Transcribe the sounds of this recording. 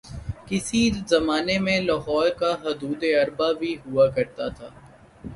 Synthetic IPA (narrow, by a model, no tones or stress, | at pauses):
kɪsizɐmaːnemẽlɔɦɔːɾkaɦʊd̪uːd̪eɐɾbabʱiɦʊakɐɾt̪at̪ʰaː